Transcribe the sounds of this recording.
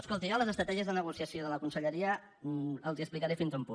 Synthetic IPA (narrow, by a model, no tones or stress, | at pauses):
əskolˠt̪iɔləzəst̪ɾət̪ɛʒiəzðənəɣusiəsioðələkunsəʎəɾiə | əlˠziəsplikaɾefinzumpun